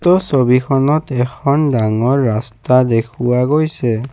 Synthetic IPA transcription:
tɔsobikʰɔnɔtɛkʰɔndaŋɔɹːastadekʰʊwaɡojsɛ

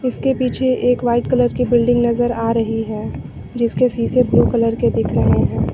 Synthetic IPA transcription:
ɪskepiːt͡ʃʰeʔeːkʋaːɪʈkɐləɾkibɪlɖɪ̃ŋɡnɐzəɾaːɾɐɦiɦɛ̃ː | d͡ʒɪskesiːsebluːkɐləɾked̪ɪkʰɾɐɦeɦɛ̃ː

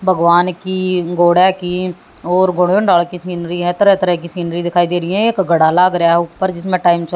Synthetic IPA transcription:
bʱəɡʋaːnkiːɡoːɽɛːkiː | ɔːɾɡʊɳõːɳɖaːlkiːsiːnɾiːɦɛːt̪əɾɛːt̪əɾɛkiːsiːnɾiːd̪ɪkʰaːiːd̪eːɾɪɛ̃ɪkɡəɽaːlaːɡɾəjaːɦɛʊpːəɾd͡ʒɪsmẽːʈaːimt͡ʃə

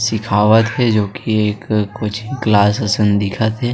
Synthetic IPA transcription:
sɪkʰaːʋət̪ɦɛd͡ʒoːkieːkkːot͡ʃʰiklaːsɐsənd̪ɪkʰət̪ɦɛː

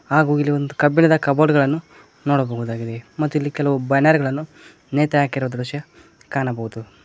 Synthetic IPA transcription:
aːɡuːilːiond̪ukɐbinɐd̪ɐkɐboːɽɡɐɭɐnːu | noːɽɐbɐɦuːd̪aːɡid̪e̞mɐt̪ːuilːikɛlɐʋubɐnaːɾɡɐɭɐnːu | neːt̪ɛaːkiɾɔɐd̪ɐɾuʂɐ | kaːnɐbɐɦud̪u

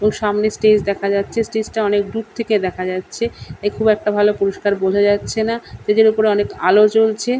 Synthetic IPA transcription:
eboŋʃamnesʈed͡ʑd̪ɛkʰad͡ʑatːɕʰesʈed͡ʑʈaɔnek̚ɖut̪̚t̪ʰeked̪ɛkʰad͡ʑatːɕʰeekʰubɛk̚ʈabʱalopuɾoʃkaɾbod͡ʑʱad͡ʑatːɕʰenaʃed̪eɾupoɾeɔneka̰lot͡ɕolt͡ɕʰe

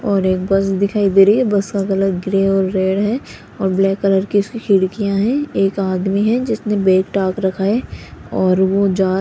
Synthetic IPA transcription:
ɔːɾeːk̚bɐsd̪ɪkʰaːid̪eːɾəiɛbɐskaɣɐlət̪ɡɾeːɔːɾːeːɽɦɛ | ɔːɾblɛːkːələɾkiʊskikʰɪɽkijãɦɛ̃eːkaːd̪miɦɛ̃d͡ʒɪsnebeːkʈaːkɾɐkʰaːeɔːɾʋod͡ʒaː

